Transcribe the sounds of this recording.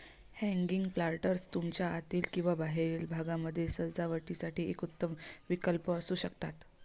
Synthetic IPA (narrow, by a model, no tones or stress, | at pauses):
hɛ̃ŋɡiŋɡplaɾʈəɾst̪umt͡ɕjaat̪iːlkĩw̃ʋabaɦeɾiːlbʱaɡãməd̪ʱːjesəɾd͡zaʋəʈisaʈiːʔekut̪ːəmʋikəlpəːsuːɕəkt̪at̪